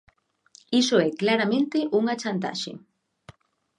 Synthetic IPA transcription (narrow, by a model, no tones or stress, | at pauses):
iʃoeklaɾament̪eʔuŋat͡ʃant̪̬a̰ʃḭ